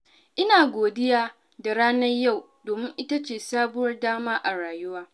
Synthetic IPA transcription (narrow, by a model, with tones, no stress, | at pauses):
ʔɪ˦naː˨ɡʷoː˨dɪ˦jaː˦ | da˨ɽaː˦nɐ˦rja˦˨w | doː˨mɪ˦ŋʔɪ˦ta˦t͡ʃeː˨saː˦bʊ˦wɐ˦rdaː˦maː˦ʔa˨ɽaː˨jʊ˦waː˦